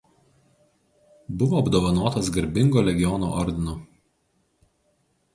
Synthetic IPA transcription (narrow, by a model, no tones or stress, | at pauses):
bʊʋoːɐbd̪oːʋɐnoːt̪ɐsɡɐɾʲbʲɪŋɡoːlʲɛɡʲɪjɔno̰ːʔɔɾʲd̪ʲɪno